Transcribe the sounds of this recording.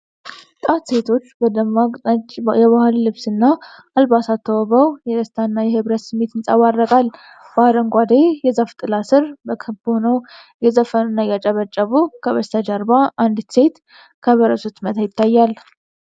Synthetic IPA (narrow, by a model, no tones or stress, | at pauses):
t̪ʼat̪se̞t̪ʰo̞t͡ʃːbəd̪əma | ɛβahɨlːɨβsɨnːaː | lbasat̪ʰːəwəβəwjɛd̪əst̪ʰanːajɛhɨβɾət̪sɨmːe̞t̪ɨnsʼawarːəkʼal | b̥ahɾəŋɡʷad̪ejɛzaft̪ʼɨlasɨɾbəkʰɨbhonəw | jɛzəfənɨnːajɛat͡ʃʼəβət͡ʃʼːəβukʰəβəst̪ʰad͡ʒaɾbaʔand̪se̞t̪ | kʰəβəɾəsut̪mət̪ʰajɪt̪ːajːal